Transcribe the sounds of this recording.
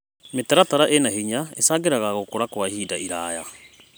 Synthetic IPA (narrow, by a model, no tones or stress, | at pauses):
metaɾataɾaʔenaɦiɲaesaːɡeɾaɣaɣokoɾakwahiːdaʔiɾaːja